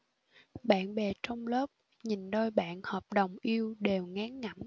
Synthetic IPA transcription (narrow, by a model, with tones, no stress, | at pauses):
ɓa̰ː˧˨nɓe˨˩t͡ɕɔ˧wŋ͡mləː˦˥p̚ | ɲi˨˩nɗo˧jɓa̰ː˧˨nhɔː˨˩p̚ɗə˨˩wŋ͡mʔi˧əwɗe˨˩wŋaː˨˦ŋːa˧˩m